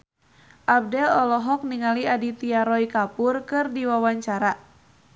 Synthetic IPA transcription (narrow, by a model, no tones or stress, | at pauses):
ʔab̚dɛlɔlɔɦɔk̚niŋaliadit̪iaɾɔikapʊrkɨrdiwawaɲt͡ʃaɾa